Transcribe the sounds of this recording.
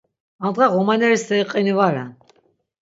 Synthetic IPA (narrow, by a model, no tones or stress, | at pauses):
and̪ʁaʁɔmanɛɾisd̪ɛiqʼinivaɾɛ̰n